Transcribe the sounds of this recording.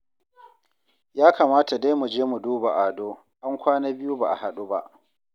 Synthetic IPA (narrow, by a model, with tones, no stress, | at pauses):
jaː˦kaː˨maː˦ta˨da˦jmu˨d͡ʒeː˦mu˨duː˦ba˨ʔaː˨doː˦ | ʔa˦ŋkʷaː˦naː˦bɪ˦ju˦ba˨ʔa̰˨ha˨ɗu˦ba̰˦ʔ